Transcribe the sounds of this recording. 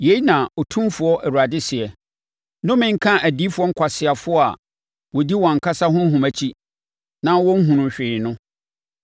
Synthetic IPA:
je˨i˦nã˨ɔ˨tʰũ˦mfʊ˨˦ɔ˦ʔæ˨ɾu˨a˨dɪ˦sɪ˨ɛ˨ | nʊ̃˦mɪ̃˦ŋ̩˦kʰã˦ʔæ˨di˦fʊ˨˦ɔ˦ŋ̩˦kʷʰa˨sɪ˨a˨fʊ˦ɔ˦a̰˨ | wɔ˨di˦wɔ̃˨ŋ̩˨kʰa˦sa˦ɦʊ̃˦ɦũ˨mæ˨t͡ɕʰi˦ | nã˦wɔ̃˦ŋ̩˦ɦũ˨nʊ̃˨ɕᶣɪ˨nʊ̃˦

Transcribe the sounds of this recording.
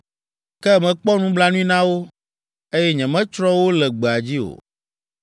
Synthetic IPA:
kɛ˦mɛ̃˨k͡pɔ˦nũ˦bla˦nũ˦i˦nã˦wo˦ | e˦jɛ˦ɲɛ̃˨mɛ̃˦t͡ʃɾɔ˦wo˦lɛ˨ɡ͡be˨a˨d͡ʑi˦o̰˨

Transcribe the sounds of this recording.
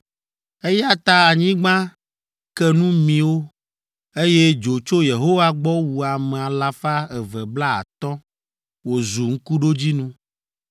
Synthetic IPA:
e˦ja˦t̪a˦a˨ɲĩ˦ɡ͡bã˦ | kɛ˦nũ˦mĩ˨wo˦ | e˦je˦d͡ʒo˨t͡ʃo˦je˨ɦo˦wa˦ɡ͡bɔ˦wu˨a˨mɛ̃˨a˨la˨fa˦ɛ˨vɛ˨bla˦a̰˨t̪ɔ˦ | wo˨zu˨ŋ̩˦ku˦ɖo˦d͡ʑi˦nũ˦

